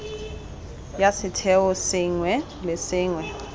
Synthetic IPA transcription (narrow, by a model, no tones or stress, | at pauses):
jasɪtʰɛwɔsɪŋwɛ | lɛsɪːŋwɛ